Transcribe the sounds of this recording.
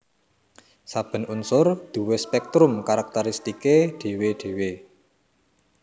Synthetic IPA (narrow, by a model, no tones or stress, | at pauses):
sab̥ə̤nunsʊrd̪̥ṳwespɛk̚t̪ɾʊmkaɾak̚t̪ɛɾist̪ikeɖ̪̥e̤weɖ̪̥e̤we